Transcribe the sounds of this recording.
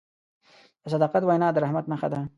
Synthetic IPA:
d̪əs̬ad̪ɑːqat̪wajnɑːd̪əɾahmat̪naxa̰d̪a

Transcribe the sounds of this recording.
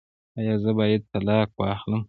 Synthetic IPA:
ajɑːzəbɑjad̪̚t̪alɑkwɑxləm

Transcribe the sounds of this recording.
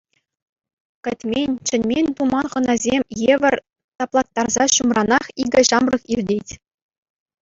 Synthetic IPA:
kʲɘ̆tʲmʲenʲt͡ɕɘ̆nʲmʲenʲt̪umɑnχɤ̆nɑzʲemʲjeʋʲɘ̆rʲ | t̪ɑplˠɑt̪ːɑrzɑɕumrɑnɑχiɡʲɘ̆ɕɑmrɤ̆χirʲdʲetʲ

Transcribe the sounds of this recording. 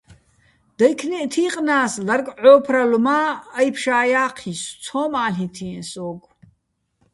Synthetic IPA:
d̪̥ajkʰnɛʔt̪ʰiːqʼnaːslarkʼʕɔːpʰralumaːjpʰʃaːjaːqʰist͡sʰɔːmaːlɦit̪ʰinsɔɡ

